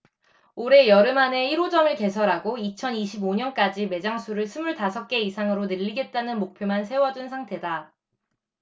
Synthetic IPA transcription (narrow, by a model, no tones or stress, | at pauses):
oɾe̞jʌɾɯmane̞iɾod͡ʑʌmɯɭke̞sʰʌɾɦaɡoit͡ɕʰʌniɕʰiboɲʌnk͈ad͡ʑime̞d͡ʑaŋsʰuɾɯɭsʰɯmuɭtasʰʌk̚k͈e̞isʰaŋɯɾonɯʎːiɡe̞t̚t͈anɯnmok̚pʰjomansʰe̞wʌd͡ʑunsʰaŋtʰe̞da